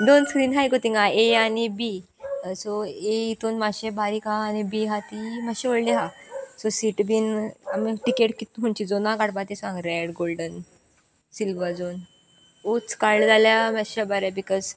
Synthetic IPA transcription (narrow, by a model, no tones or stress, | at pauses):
d̪onskɾiːnɦajkot̪iŋɡaeanibi | soeit̪onmaɕebʱaɾiːkãːnibiɦat̪imaɕiʋəɽleɦasosiʈbinamiʈikeʈkit̪ɦuɲt͡ɕid͡zonãkaɽbat̪esãŋɡɾɛɽɡolɖən | silʋəd͡zon | ut͡skald͡zaljamɛabaɾabikɔz